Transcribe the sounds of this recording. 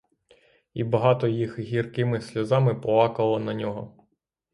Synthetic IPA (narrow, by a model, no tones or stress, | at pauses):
ibɐɦɑt̪ɔjixɦʲirkɪmɪsʲlʲɐzɑmɪpɔlˠɑkɐlˠɔnɐnʲɔɦɔ